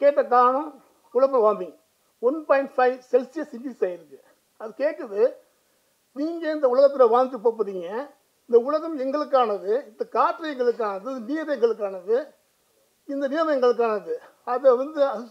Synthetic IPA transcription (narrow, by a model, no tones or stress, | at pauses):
keːʈːɐkaːnɐ̃ | ʊlɐp̬ːɐʋaːnd̪ɪŋɡɐ | ɔnpaːɪɳʈfɐɪʋsɛlsɪjɐsɪnɖɪsaːɪɾɯkːɯ | ɐðɯkeːʈːɐðɯ | niːŋɡɐɪnd̪ɐʊɭɐɣɐt̪ːɪɾɐʋaːŋɡt̪ːɯpoːp̬ːɐðiːŋɡɐ | ɪnd̪ɐʊɭɐɣɐmɛŋɡɐɭɯk̬ːaːnɐðɯɪnd̪ɐkaːʈɾɐɪɣɐɭɯk̬ːaːnɐðɯɐðɯmiːɾeŋɡɐɭɯk̬ːaːnɐðɯ | ɪnd̪ɐʋiɐmɐɛŋɡɐɭɯk̬ːaːnɐðɯ | ɐðɐʋɐnd̪ɯɐ